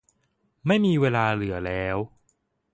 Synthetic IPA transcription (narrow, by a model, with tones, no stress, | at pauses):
ma˥˩jmiː˧weː˧laː˧lɯ˩˦ɐlɛː˦˥w